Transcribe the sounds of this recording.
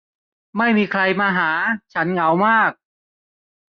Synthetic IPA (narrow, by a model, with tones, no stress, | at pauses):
ma˥˩jmiː˧kʰɾa˧jmaː˧ɦaː˩˦t͡ɕʰa˦˥nŋa˩˦wmaː˥˩k̚